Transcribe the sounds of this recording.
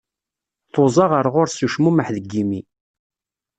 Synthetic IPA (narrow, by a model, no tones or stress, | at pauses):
θozˤɑʁəɾˤʁʊɾsuʃmuməħðəɡːimi